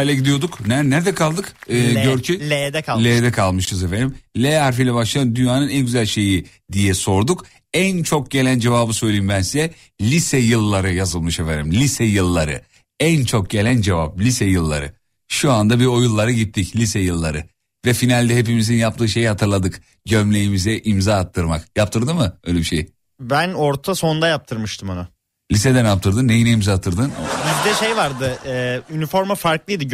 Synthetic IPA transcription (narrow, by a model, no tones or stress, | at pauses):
ailʲɛɟid̪ijo̞d̪uknænæɾd̪ɛkʰalˠd̪ɯkːɟøɾcʰid̪lʲeːd̪ɛkʰalˠmɯʃɯzefenimlʲeaɾfijlʲɛbaʃlˠajɯd̪ynjaːnɯnænɟyzælʲʃe̞ji | d̪ijɛso̞ɾd̪uk | ænt͡ʃʰo̞k̚ɟe̞lʲænd͡ʒe̞vaːbɯsø̞jlʲejimbænsizɛ | lʲisɛjɯlˠːaɾɯjazɯlˠmɯʃefenimlʲisɛjɯlˠːaɾɯ̰ | ænt͡ʃʰo̞k̚ɟelʲænd͡ʒe̞va̰p̚lʲisɛjɯlˠːa̰ɾɯ̰ | ʃuand̪abio̞julˠːaɾɯɟit̪ʰːiclʲisɛjɯlˠːaɾɯ | vɛfinalʲd̪ɛɦe̞pimizinjapt̪ʰɯːʃe̞jihat̪ʰɯɾlˠad̪ɯk | ɟømlʲe̞jimizɛʔimzaːt̪ʰːɯɾmakjap̚t̪ʰɯɾd̪ɯmɯøjlʲebiʃej | bænoɾt̪ʰasond̪ajap̚t̪ʰɯɾmɯʃt̪ʰɯmanʊ | lʲised̪ænjap̚t̪ʰɯɾd̪ɯnːejinejimzap̚t̪ʰːɯɾd̪ɯnbizd̪ɛʃejvaɾd̪ɯɛynifo̞ɾmafaɾklˠɯjd̪ɯ